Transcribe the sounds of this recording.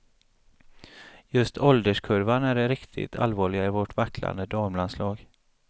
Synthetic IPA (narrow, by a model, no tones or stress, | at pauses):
jɵst̪ʰɔld̪əʂkʰɵɾvanæɖɛɾɪkt̪ʰɪ̰t̪ʰa̰lvɑːɭɪɡaɪvɔʈvakʰːla̰nd̪əd̪amlanslɑːɡ